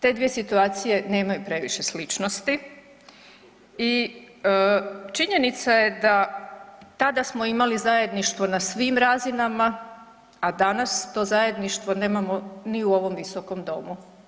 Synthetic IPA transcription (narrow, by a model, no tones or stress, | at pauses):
t̪e̞d̪ʋijesit̪uaːt̪sije̞ne̞ːmajupɾe̞ʋiʃe̞slit͡ʃnost̪i | i | ət͡ʃiɲe̞nit̪saje̞d̪a | t̪ad̪asmo̞imalizaje̞d̪niʃt̪ʋo̞nasʋiːmɾazinama | ad̪anast̪o̞ːzaje̞d̪niʃt̪ʋo̞ne̞ːmamoniuo̞ʋo̞mʋiso̞ko̞md̪o̞̰mu